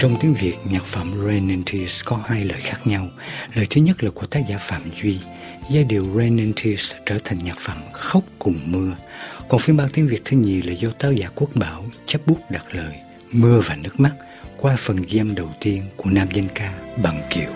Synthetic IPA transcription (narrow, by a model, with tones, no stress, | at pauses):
t͡ɕɔ˧wŋ͡mt̪i˨˦əŋvi˨˩ək̚ɲaː˨˩k̚fə̰˧˩mzɛ˧nɛ˧nt̪ʰi˧skɔ˨˦haː˧jləː˨˩jxaː˦˥k̚ɲa˧w | ləː˨˩jt̪ʰɨ˨˦ɲə˦˥t̚laː˨˩ku˧˩əkt̪aː˦˥k̚zaː˧˩faː˧˩˨mzwi˧ | zaː˧ɗḭ˨˩˨əwzɛ˧nɛ˧nt̪ʰi˧st͡ɕəː˧˩t̪ʰa˨˩ŋ̟ɲaː˨˩k̚fə̰˧˩mxə˦˥wk͡p̚kʊ˨˩ŋ͡mmɨ˧əkɔ˨˩nfi˧ənɓaː˧wt̪i˨˦ŋvi˨˩ək̚t̪ʰɨ˧ɲḭ˨˩laː˨˩zɔ˧t̪aː˧˥wzaː˧˦ku˦˥ək̚ɓaː˧˦wt͡ɕə˦˥p̚ɓu˦˥ək̚ɗa˨˩k̚ləː˨˩j | mɨ˧əvaː˨˩nɨ˦˥ək̚ma˦˥t̚ | kwaː˧fə˨˩nɣi˧ə˧mɗə˨˩wt̪i˧ənku˧˩ənaː˧mzə˧jnkaː˧ɓa˨˩ŋki˧˩əw